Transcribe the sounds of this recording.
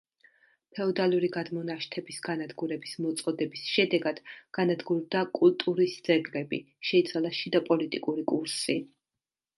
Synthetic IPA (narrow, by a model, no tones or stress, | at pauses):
p̪ʰɛɔd̪aluɾiɡad̪mɔnaʃt̪ʰɛbisɡanad̪ɡuɾɛbismɔt̪sʼɔd̪ɛbisʃɛd̪ɛɡad̪̥ɡ̥anad̪ɡuɾd̪akʼulˠt̪ʼuɾisd̪z̥ɛɡlɛbḭ | ʃɛit̪sʰwalˠaʃid̪ɔpʼɔlit̪ʼikʼuɾikʼuɾsi